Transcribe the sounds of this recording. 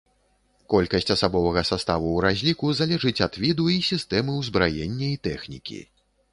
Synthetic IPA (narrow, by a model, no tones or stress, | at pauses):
kɔlʲkɐsʲt͡sʲɐsabɔvɐɣɐsast̪avuwɾazʲlʲikuzalʲɛʐɨt͡sʲɐd̪̥vʲid̪uisʲist̪ɛmɨwzbɾajenʲːɐit̪ɛxnʲḭkʲḭ